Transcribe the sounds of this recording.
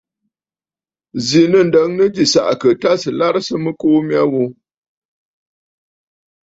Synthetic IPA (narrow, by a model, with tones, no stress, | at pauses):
zi˨nə˦˨n̩˨də˨˦ŋnə˦d͡ʒi˨sa̰˨ʔkə˨ta˦sɨ˨la˦ɾsɨ˦mə˦koː˦mja˦wo˦